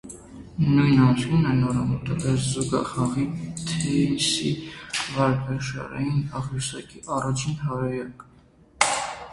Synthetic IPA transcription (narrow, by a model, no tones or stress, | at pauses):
nujnɑnsinɛnɔɾɑmut̪əbɛszuɡɑ̰χɑʁit̪ʰɛsḭvɑɾkvɛʃɑ̰ɾɛ̰jinɑʁjusɑkiʔɑrɑt͡ʃʰinhɑɾɛjɑk